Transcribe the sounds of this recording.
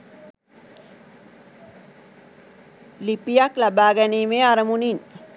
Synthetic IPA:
lipijaklabaːɡæniːmeːaɾəmunin

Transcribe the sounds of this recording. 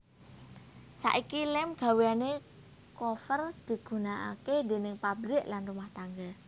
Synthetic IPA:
sa̰ʔikilɛmɡ̥a̤weane | kofərd̪̥i̤ɡ̥ṳnaʔa̰ked̪e̤nɪŋpabɾɪʔlanrumaht̪aŋɡa

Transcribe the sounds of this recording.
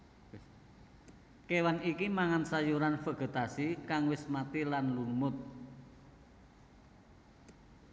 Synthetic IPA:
kewanikimaŋansajuɾanfə̤ɡ̥ə̤t̪asikaŋwɪsmat̪ilanlunmʊt̪̚

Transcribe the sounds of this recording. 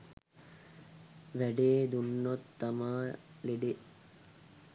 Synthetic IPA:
ʋæɖeːd̪unːot̪ːamaː | leɖe

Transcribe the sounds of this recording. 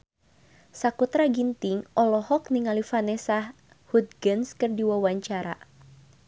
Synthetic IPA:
sakut̪ɾaɡint̪iŋʔɔlɔhɔk̚niŋalifanɛsah | hut̪̚ɡənskɨrdiwawaɲt͡ʃaɾa̰

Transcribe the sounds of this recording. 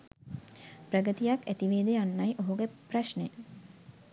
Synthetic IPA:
pɾəɡət̪ijakːæt̪iʋeːd̪ejanːɐjʔoɦuɡepraʃne

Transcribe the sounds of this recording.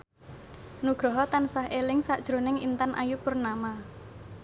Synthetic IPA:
nuɡ̥ɾɔɦɔt̪ansahelɪŋsad̥ʒ̥ɾo̤nɪŋḭnt̪anʔa̰jupʊrnama

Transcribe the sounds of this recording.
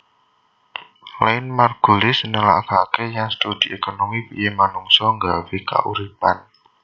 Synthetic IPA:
laɪnmarɡ̥ulɪsnəla̰kakejaŋst̪ud̪iekonomipḭjemanuŋsɔŋɡaweka̰ʔṵɾipan

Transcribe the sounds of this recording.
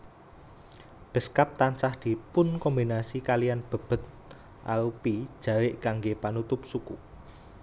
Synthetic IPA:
b̥ə̤skap̚t̪aɲt͡ʃahd̪̥i̤pʊnkɔmbinasikalijanb̥ə̤b̥ə̤t̪̚ | ʔalupi̥ʒ̥ä̤wɪʔkaŋɡepanut̪ʊp̚suku

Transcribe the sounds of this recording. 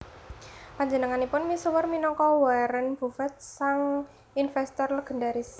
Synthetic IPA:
paɲd͡ʒənəŋanipʊnmisəwərminɔŋkɔwaɾənb̥ṳfat̪̚saŋ | infɛst̪ɔrləɡ̥ə̤ndaɾis

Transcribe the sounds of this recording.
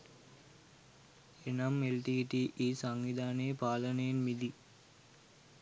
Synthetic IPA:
enamːelʈiːʈiʔiːsaŋʋid̪ʱaːneːpaːlənəjenmid̪i

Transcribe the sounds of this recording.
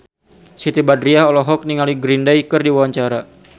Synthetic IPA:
sit̪ibadɾiaɦɔlɔɦɔk̚niŋaliɡɾindajkərdiwawaɲt͡ʃaɾa

